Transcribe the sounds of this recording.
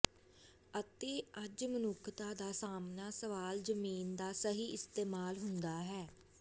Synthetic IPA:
ət̪eːəd͡ʒmənʊkʰt̪aːd̪aːsaːmnaːsəʋaːlzəmiːnd̪aːsəɦiːɪst̪eːmaːlɦʊnd̪aːɦɛː

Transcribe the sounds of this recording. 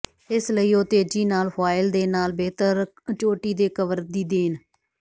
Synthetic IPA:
ɪsləiːoːt̪eːd͡ʒiːnaːlfaːɪld̪eːnaːlbeːt̪əɾ | t͡ʃoːʈiːd̪eːkəʋəɾd̪iːd̪eːn

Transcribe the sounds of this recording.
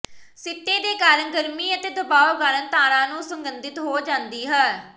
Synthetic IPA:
sɪt̪ːeːd̪eːkaːɾəɳɡəɾmiːət̪eːd̪əbaːoːɡaːɾənt̪aːɾãːnũːsəŋɡənd̪ɪt̪ɦoːd͡ʒãːnd̪iːɦɛː

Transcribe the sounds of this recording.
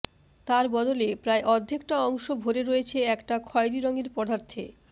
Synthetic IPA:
t̪aɾbɔd̪olepɾaeʔɔd̪ʱːekʈaɔŋʃobʱoɾeɾoet͡ɕʰeɛkʈakʰɔeɾiɾoŋeɾpɔd̪ʱaɾt̪ʰḛ

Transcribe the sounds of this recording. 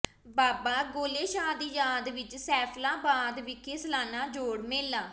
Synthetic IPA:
baːbaːɡoːleːʃaːd̪iːjaːd̪ʋɪt͡ʃsɛːpʰlãːbaːd̪ʋɪkʰːeːsəlaːnaːd͡ʒoːɽmeːlːãː

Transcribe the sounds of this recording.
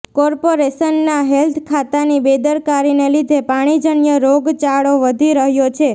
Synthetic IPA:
kɔɾpoɾeʃənːaɦelt̪ʰkʰat̪anibed̪əɾkaɾinelid̪ʱepaɽ̃id͡ʒəɳjəɾoɡt͡ʃaɭoʋəd̪ʱiɾəɦjot͡ʃʰe

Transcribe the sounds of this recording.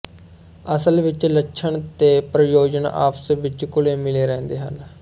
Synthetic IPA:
əsəlʋɪt͡ʃlətːʃʰəɳt̪eːpɾəjoːd͡ʒəna̰ːpsʋɪt͡ʃkʊleːmɪleːɾɛ̃ːnd̪eːɦə̰l

